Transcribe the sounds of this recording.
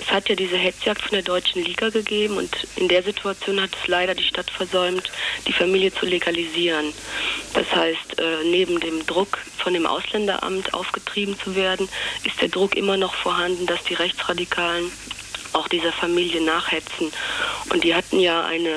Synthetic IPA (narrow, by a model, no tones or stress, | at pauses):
ʔɛshatjaːdiːzəɦɛt͡sjaːk̚tfɔndeːɐdɔʏt͡ʃn̩liːɡaɡəɡeːbm̩ʊ̰ntʔɪndeːɐzitʰuat͡sjoːnhatɛ̥slaɪɾɐdiːʃtatfɛɐzɔʏmtd̥iːfamiːljət͡suleɡaliziːʁənd̥a̰shaɪstʔɛːneːbm̩deːmdʁʊkfɔndeːmʔa̰ʊslɛndɐ̰ʔa̰mtʰʔa̰ʊfɡ̥ətʁ̥iːbm̩t͡suveːɐdn̩ʔɪstd̥eːɐdʁʊkʔɪ̰mɐnɔχfoːɐɦandn̩d̥asd̥iːʁɛçt͡sʁ̥adikʰaːlən | ʔaʊxd̥iːzɐfamiːljənaːχhɛt͡sn̩ʔʊ̰ntd̥iːɦatn̩jaːʔa̰ɪnə